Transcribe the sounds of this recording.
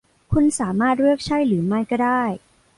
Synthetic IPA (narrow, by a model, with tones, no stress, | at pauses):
kʰu˧nsaː˩˦maː˥˩t̪̚ɾɯ˥˩ək̚t͡ɕʰa˥˩jɾɯː˩˦ma˥˩jkɔː˥˩daː˥˩j